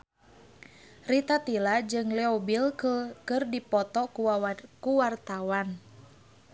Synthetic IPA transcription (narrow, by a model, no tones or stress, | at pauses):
rit̪at̪ilad͡ʒɨŋlɛɔbilkəkɨrdipɔt̪ɔkuwaakuwart̪awan